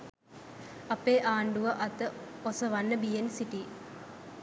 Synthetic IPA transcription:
ɐpːeːʔaːɳɖuʋɐʔɐt̪ːɨosɐʋɐnːɐbijensiʈi

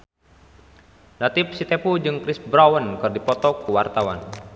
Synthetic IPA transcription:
nat̪ip̚sit̪ɛpud͡ʒɨŋkɾisbɾawənkɨrdipɔt̪ɔkuwart̪awa̰n

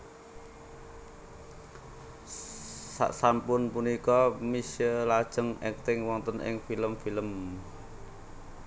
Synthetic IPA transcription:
sa̰ʔsampʊnpunikɔmisəlad̥ʒ̥əŋɛk̚t̪ɪŋwɔnt̪ənʔɪ̰ŋfiləmfiləm

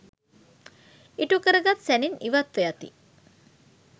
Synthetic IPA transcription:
iʈukəɾəɡat̪sæniniʋat̪ʋejat̪ḭ

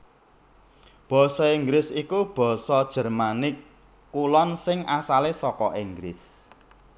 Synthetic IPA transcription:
b̥ɔ̤sɔiŋɡlɪsikub̥ɔ̤sɔd̥ʒ̥ə̤rmanɪkː | ulɔnsɪŋasalesɔkɔʔiŋɡɾɪ̰s

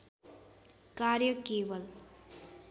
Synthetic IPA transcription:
kaɾjʌkeːbʌl

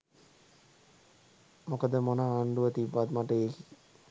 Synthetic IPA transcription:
mokəd̪əmonəːɳɖuʋət̪ibːat̪maʈəek

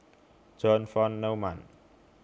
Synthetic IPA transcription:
d͡ʒɔnfɔnːəwman

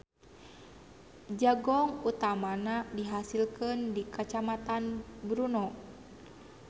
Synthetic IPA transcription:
d͡ʒaɡɔŋut̪amanadiɦasilkəndikət͡ʃamat̪anbɾunɔ

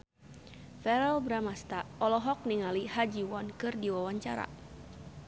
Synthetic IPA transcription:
fɛɾɛlbɾamast̪aɔlɔɦɔk̚niŋalihad͡ʒiwɔnkɨrdiwawaɲt͡ʃaɾa̰

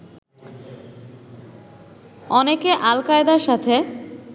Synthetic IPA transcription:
ɔnekeʔalkaed̪aɾʃat̪ʰe

